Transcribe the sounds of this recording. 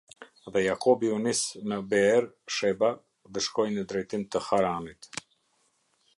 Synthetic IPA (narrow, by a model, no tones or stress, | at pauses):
ðɛjakɔbiunisnəbɛɛɾ | ʃɛba | ðəʃkɔjnəd̪ɾɛjt̪imt̪əhaɾanit̪